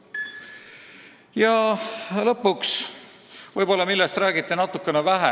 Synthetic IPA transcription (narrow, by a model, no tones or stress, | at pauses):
jɑlɤ̞pːuks | vɤjb̥o̞lːɑmilːest̪ræːɡit̪ːˑenɑt̪ːˑukːe̞nevæɦḛ